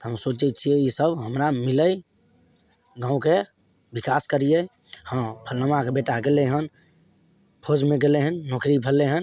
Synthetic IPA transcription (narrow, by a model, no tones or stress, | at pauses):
t̪ɔɦəmsot͡ʃɛt̪̚t͡ʃʰijɛisəbɦəmɾamiləj | ɡãũke | bikaskəɾije | hə̃pʰəlːəmakebeʈaɡeleɦən | pʰod͡ʒmẽɡeleɦənːokɾipʰəlːeɦən